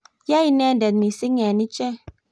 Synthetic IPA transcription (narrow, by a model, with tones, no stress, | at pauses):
ja˦i˦nɛ˦˨ndɛ˨tmi˨si˦ŋɛ˨ni˦t͡ʃɛ˦